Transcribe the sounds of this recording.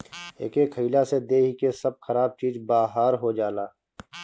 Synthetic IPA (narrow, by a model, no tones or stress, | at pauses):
ḛːkeːkʰɦəilased̪eːɦikesɐb̚xɐɾaːb̚t͡ʃiːzbaːɦaːɾɦod͡ʒaːlaː